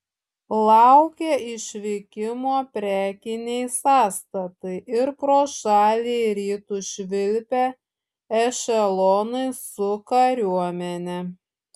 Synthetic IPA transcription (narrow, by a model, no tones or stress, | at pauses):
lˠɑʊkʲeʔɪʃʲʋʲɪkʲɪmoːpʲɾʲæːkʲɪnʲɛɪsɑːst̪ɐt̪ɐɪɪɾpɾoːʃɑːlʲiɾʲiːt̪uːʃʲʋʲɪlʲpʲɛ | ɛʃʲɛlˠɔːnɐɪsʊkɐɾʲuɔmʲɛnʲɛ